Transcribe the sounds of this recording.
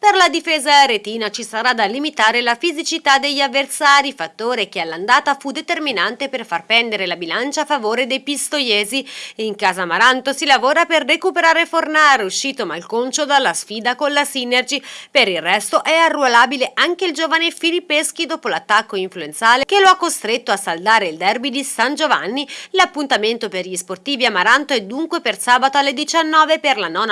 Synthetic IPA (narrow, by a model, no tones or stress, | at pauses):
perlad̪ifeːzaɾet̪iːnat͡ʃisaɾad̪alːimit̪aːɾelafizit͡ʃit̪ad̪eʎːavːersaːɾifat̪ːoːɾekealːand̪aːt̪afud̪ːet̪erminant̪eperfarpɛnd̪eɾelabilant͡ʃaːfːavoːɾed̪ejpist̪ojɛːziiŋkaːzamaɾant̪osilavoːɾaperːekupeɾaːɾefornaːɾeuʃːiːt̪omalkont͡ʃod̪alːasfiːd̪akonlasiːnerd͡ʒipeɾilrɛst̪oʔɛarːualaːbileʔaŋkeild͡ʒoːvanefilipːeskid̪oːpolat̪ːakːoiɱfluent̪saːlek̟eloakːost̪ɾet̪ːoasːald̪aːɾeild̪ɛrbid̪isand͡ʒova̰nːilapːunt̪ament̪operʎisport̪iːviamːaɾant̪oɛd̪ːuŋkwepersaːbat̪oalːed̪it͡ʃanːɔːveperlanɔːn